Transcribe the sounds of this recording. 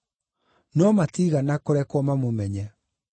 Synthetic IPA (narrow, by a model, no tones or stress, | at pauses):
nɔmatiːɣanakoɾɛkwɔmamomɛɲɛ